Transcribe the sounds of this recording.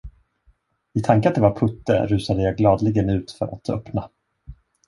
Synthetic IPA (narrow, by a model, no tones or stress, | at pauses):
ɪt̪ʰaŋkəat̪̚d̪ɛvaɾpʰɵt̪ːə̰ɾʉ̟ːsad̪əjaɡlɑːd̪lɪɡənʉ̟ːt̪fœ̰ɾa̰t̪ʰœ̰pna